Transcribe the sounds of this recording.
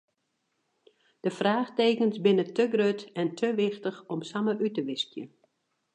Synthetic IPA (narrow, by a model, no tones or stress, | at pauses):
d̥əfraːxteːkənsbɪnətəɡrøtɛntʰəʋɪxtəxɔmsaməʔytəʋɪskjə̰